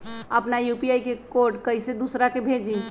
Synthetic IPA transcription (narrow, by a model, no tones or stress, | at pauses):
əpnajupiajkekoɾɖkəised̪usɾakebʱed͡ʒi